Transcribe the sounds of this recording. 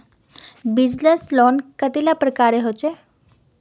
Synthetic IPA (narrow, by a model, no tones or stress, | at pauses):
bɪd͡ʒneslɔːnkət̪ilapɾəkaːɾeɦot͡ʃe